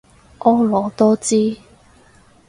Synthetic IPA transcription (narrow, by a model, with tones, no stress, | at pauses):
ʔɔː˨˥lɔː˨˧˦t̪ɔː˥t͡siː˥